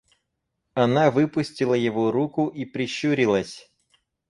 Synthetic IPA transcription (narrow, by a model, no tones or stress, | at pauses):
ɐnɑʋɪpʊsʲtʲilˠɐjɔʋɔɾukʊʔipɾʲiʃuɾʲilˠɐsʲ